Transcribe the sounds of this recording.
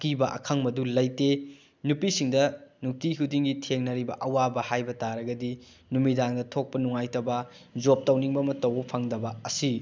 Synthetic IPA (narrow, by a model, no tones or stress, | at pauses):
kibɐʔɐ̰kʰɐŋmɐdulɐjte | nupisiŋdɐnuk̚tiɦudiŋɡitʰeŋnɐɾibɐ̰ʔɐwabɐhajbɐtaɾɐɡɐdi | numidaŋdɐtʰok̚pɐnuŋajtɐbɐ | d͡ʒop̚tɐwniŋbɐmɐtɐwɐpʰaŋdɐbɐɐsi